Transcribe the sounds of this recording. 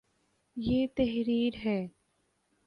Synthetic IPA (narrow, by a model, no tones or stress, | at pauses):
jeːt̪ɛɦɾiːɾɦɛː